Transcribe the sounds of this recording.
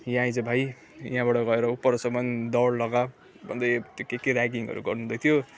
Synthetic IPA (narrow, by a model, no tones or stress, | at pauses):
jãĩd͡zʌbʱaj | jɦãbaʈʌɡʌeɾʌupːʌɾʌsʌmʌnd̪ʌɽlʌɡa | bʱʌnd̪ʌjt̪jokekeɾaɡiŋɡʌ̰ɾṵɡʌrnud̪ʌjt̪ʰjo